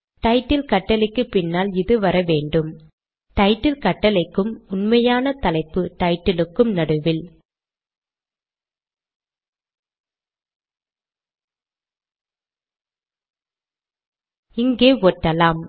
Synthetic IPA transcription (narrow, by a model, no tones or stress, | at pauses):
ʈɐɪʈːɪlkɐʈːɐlɪkːɯpɪnːaːlɪðɯʋɐɾɐʋeːɳɖɯm | ʈ̪ɐɪʈːɪlkɐʈːɐlɐɪkːɯmʊnmɐjaːnɐt̪ɐlɐɪpːɯʈ̪ɐɪʈːɪlɯkːɯmnɐɽɯʋɪl | ɪŋɡeːɔʈːɐlaːm